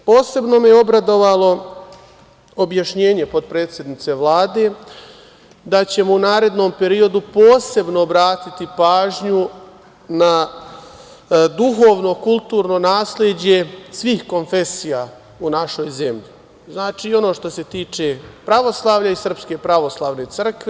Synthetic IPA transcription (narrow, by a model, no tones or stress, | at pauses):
po̞ːse̞bno̞mejeo̞bɾad̪o̞ʋalo̞ | objaʃɲe̞ːɲe̞pod̪̚pɾe̞ːt̪sʲjed̪nit̪se̞ʋlˠaːd̪e̞ː | d̪at͡ɕe̞mounaːɾe̞d̪no̞ːmpe̞ɾio̞d̪upo̞ːse̞bno̞ːbɾaːt̪it̪ipaːʒɲu | na | d̪uxoːʋno̞kulˠt̪uːɾno̞naːsled͡ʑe̞sʋiːxko̞nfe̞sijaː | unaʃo̞jze̞mʎi | znaːt͡ʃiːo̞no̞ːʃt̪o̞se̞t̪iːt͡ʃe̞pɾaʋo̞slˠaːʋʎaisr̩pske̞pɾaʋo̞slˠaːʋne̞t̪sr̩kʋe